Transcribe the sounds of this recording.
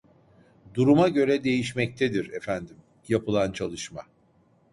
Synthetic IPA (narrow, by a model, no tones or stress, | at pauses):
d̪uɾumaɟø̞ɾɛd̪e̞jiʃmɛc̚t̪ʰɛd̪iɾɛfænd̪im | japɯlˠant͡ʃʰalˠɯʃma